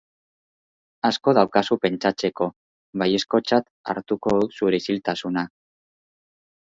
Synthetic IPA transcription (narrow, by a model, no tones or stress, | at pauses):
asko̞ð̞awkasupe̞nt͡ʃat͡se̞ko̞ | βaje̞sko̞t͡ʃat̪ | a̰ɾt̪uko̞ðusuɾesilt̪asuna